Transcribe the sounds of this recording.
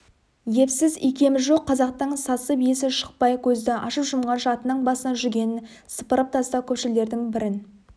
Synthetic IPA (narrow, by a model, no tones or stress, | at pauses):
je̞psɪzḭkʲʰe̞mɪʒo̞qʰːɑzɑq̚t̪əɴsɑsəbijesɪʃə̥q̚pɑjkʲʰɵzd̪ɪʔɑ̰ʃəpʒʊmʁɑnʃɑt̪ənəɴbɑsənɑʒʏɾɡʲe̞nɪn | sə̥pəɾəp̚t̪ʰɑst̪ɑkʲʰɵpʃɪle̞ɾd̪ɪŋbɪɾɪn